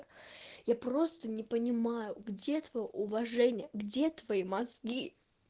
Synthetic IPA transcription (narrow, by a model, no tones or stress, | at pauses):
japɾost̪ənʲɪpənʲɪmajʊɡdʲe̞t̪vɐjoʊvɐʐɛnʲɪjəɡdʲe̞t̪vɐimɐzɡʲi